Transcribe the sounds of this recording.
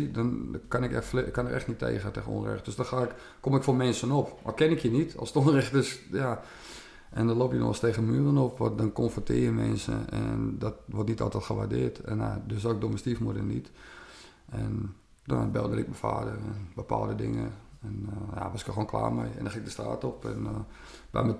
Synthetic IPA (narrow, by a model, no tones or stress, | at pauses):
idɔnkanɪkɛkːɔnəɾʔɛxtnitʰːḛːɣəteːɣəno̰nrɛ̰xtd̥øsdɔnxaɪk | komɪkfoːmɛnsənopmakɛnɪkʰjənitɔ̰lˠstonrɛxtøsja | ʔɛndɔnlopjənɔ̰steːɣənmyərənopʋɔdɔnkonfətʰɪːjəmɛ̰nsə̰ɛ̰ndɔtʋɔrtnitɔlˠtɛtxəʋardɪərtɛna̰døsɔːɪk̚doməstifmodənit | ɛn | dɔbɛlˠdəɾɪ̰k̚məfa̰ːdərɛnbəpʰa̰lˠdədɪŋə̰ɛnja̰ʋɔsɪkjəxoːnkʰla̰ːmɛ̰jɛ̰ndɔxɪŋ̚dəstra̰ːtɔpɛ̰n | bɛ̰mə